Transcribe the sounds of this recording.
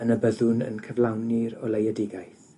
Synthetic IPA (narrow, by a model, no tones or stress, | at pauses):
ənəbəðʊnə̰nkʰəvlawniɾɔlˠejɛdɪɡajθ